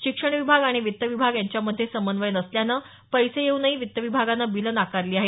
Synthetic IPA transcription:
ɕikʂəɳ̃ʋibʱaɡaɽ̃iʋit̪ːəʋibʱaɡjaɲt͡ɕjaməd̪ʱjesəmənd̪ʋəjnəsljana | pəjsejeunaɦiːʋit̪ːəʋibʱaɡanːabilənakaɾliːaɦe

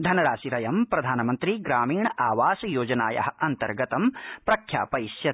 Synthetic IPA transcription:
d̪ʱɐnɐɾaːsiɾɐjɐmpɾɐd̪ʱaːnɐmɐnt̪ɾiɡɾaːmiːɳɐʔaːʋaːsɐjoːd͡ʒɐna̰ːjɐ̰ɦɐ̆ʔɐnt̪ɐ̰ɾɡɐt̪ɐmpɾɐkʰja̰ːpɐjʃjɐ

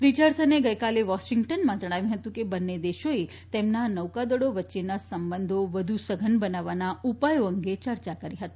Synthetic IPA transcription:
pɾit͡ʃəɾsəneɡəjkaleʋɔʃĩŋɡʈənmãd͡ʒəɽ̃aʋjũɦət̪ũkebənːed̪eʃoe | t̪emnanəwkad̪əɽoʋətːʃenasəmbənd̪ʱoʋəd̪ʱusəɡʱənbənaʋanaupajoəŋɡet͡ʃəɾt͡ʃakəɾiɦət̪i̥

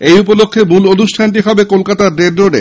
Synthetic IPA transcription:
ejupolokʰːebulonuʃʈʰanʈiɦɔbekolkat̪aɾːeɖɾoɖḛ

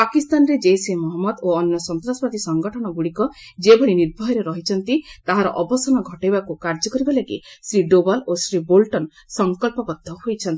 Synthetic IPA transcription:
pakist̪anɾed͡ʒesemɔɦɔmːɔd̪oɔnjɔsɔnt̪ɾaspɔt̪isɔŋɡɔʈʰɔɽ̃ɔɡuɽikɔ | d͡ʒebʱɔɽiniɾbʱɔɦɔɾeɾɔɦit͡ʃʰɔnt̪it̪aɦaɾɔ̰ʔɔbɔsɔnɔɡʱɔʈejbakukaɾd͡ʒɔkɔɾibalaɡḭsɾiɖobalosɾibolʈɔn | sɔŋkɔlpɔbɔd̪ʱːɔhojt͡ʃʰɔnt̪i

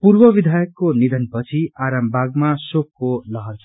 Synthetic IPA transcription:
purbʌβid̪ʱajʌkːonid̪ʱʌnpʌt͡sʰiaɾambʱaɡmasokːolʌɦʌrt͡sʰʌ

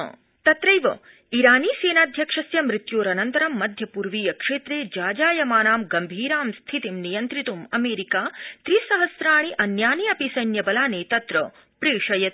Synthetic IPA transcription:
t̪ɐt̪ɾɐjʋɐ | iɾaːniːseːnaːd̪ʱjɐkʂɐsjɐmɾit̪joːɾɐnɐnt̪ɐɾɐmːɐd̪ʱjɐpuɾʋiːjɐkʂeːt̪ɾeːd͡ʒaːd͡ʒaːjɐmaːnaːmɡɐmbʱiːɾaːmst̪ʰit̪imnijɐnt̪ɾit̪umɐmeːɾikaːt̪ɾisɐɦɐsɾaːɳ̃iʔɐnjaːniɐpisɐjnjɐbɐlaːneːt̪ɐt̪ɾɐ | pɾiːʂɐjɐt̪

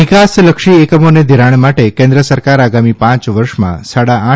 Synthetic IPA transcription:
ɪkasləkʃiekəmoned̪ʱiɾaɳ̃maʈekẽnd̪ɾəsəɾkaɾaɡamipãt͡ʃʋəɾʃmã̰saɽaã

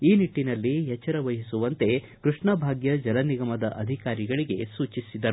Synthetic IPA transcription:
iːniʈːinɐlːiɦɛt͡ʃːɐɾɐʋɐɦisuʋɐnt̪e̞ | kɾuʂɳɐbʱaːɡjɐd͡ʒɐlɐniɡɐmɐd̪ɐʔɐd̪ʱikaːɾiɡɐɭiɡe̞suːt͡ʃisid̪ɐɾu

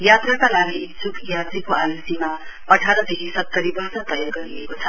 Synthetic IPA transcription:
jat̪rakalaɡisupjad͡zikoʔalsima | ʌʈʰaɾʌd̪ekʰisʌt̪ːʌɾibʌrsʌt̪ʌjarɡʌɾiḛkot͡sʰʌ

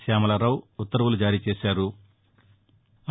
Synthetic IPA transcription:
aːmɐlɐɾɐwut̪ːɐɾɐʋulud͡ʒaːɾiːt͡ʃeːsaːɾu

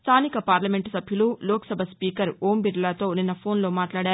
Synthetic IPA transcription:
st̪ʰaːnikɐpaːɾlɐmeɳʈsɐbʱjululoːkɐ̥sɐbʱɐspiːkɐɾoːmbiɾlat̪o̞ːuninɐpʰoːnloːmaːʈlaːɽaː

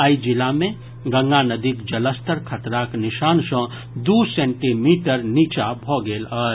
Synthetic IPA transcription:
aːid͡ʒɪlamẽ | ɡɐ̃ŋɡanəd̪ikd͡ʒɐləst̪əɾkʰət̪ɾaknɪʃaːnʃɔ̃ː | d̪uːsẽːɳʈimiːʈəɾniːt͡ʃabʱoːɡeːlɔːɾ

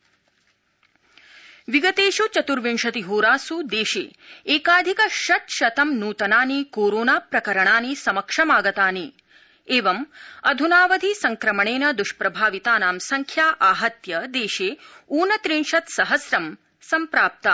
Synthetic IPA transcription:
ʋiɡɐt̪eːʃut͡ʃɐt̪uɾʋiɳʃɐt̪iɦoːɾaːsud̪eːʃḛːeːkaːd̪ʱikɐʃɐt̪ʃɐt̪ɐmnuːt̪ɐnaːnikoːɾoːnaːpɾɐkɐɾɐɳaːnisɐmɐkʂɐmaːɡɐt̪aːni | eːʋɐmɐd̪ʱunaːʋɐd̪ʱisɐŋkɾɐmɐɳeːnɐd̪uʃpɾɐbʱaːʋit̪aːnaːmsɐŋkʰjaːʔaːɦɐt̪jɐd̪eːʃeːuːnɐt̪ɾiɳʃɐt̪sɐɦɐsɾɐm | sɐmpɾaːp̚t̪ɐ

